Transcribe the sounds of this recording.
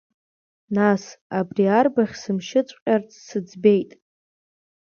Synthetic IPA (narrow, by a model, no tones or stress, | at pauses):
nasabriarbaχʲsɨmʃɪt͡sʷʼqʲʼart͡sʰsɨd͡zbe̞jtʼ